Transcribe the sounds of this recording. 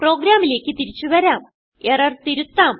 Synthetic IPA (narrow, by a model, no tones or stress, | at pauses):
pro̞ːɡɾaːmile̞ːkʲːɨt̪iɾit͡ɕːuʋɐɾaːm | erɐrt̪iɾut̪ːaːm